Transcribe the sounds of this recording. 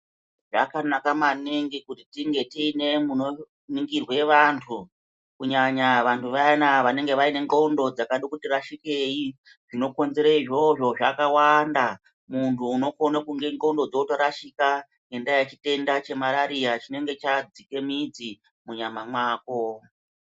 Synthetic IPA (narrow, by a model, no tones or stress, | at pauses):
ʐa̰kanakamaniŋɡikutitiŋɡe̞tine̞muno | niŋɡirwe̞ʋantʰu | kuɲaɲaʋantʰuʋanaʋane̞ŋɡe̞ʋaine̞ŋɡo̞undo̞d͡zakaɗokutiraʃike̞i | ʐino̞ko̞nze̞ɾeiʐo̞ʐo̞ʐakawanda | muntʰuːno̞konakuŋɡeŋɡoundod͡zotoɾaʃika | ŋɡe̞ndajat͡ʃite̞ndat͡ʃe̞maɾaɾiat͡ʃine̞ŋɡe̞t͡ʃad͡zike̞mid͡zi | muɲamamwaːko̞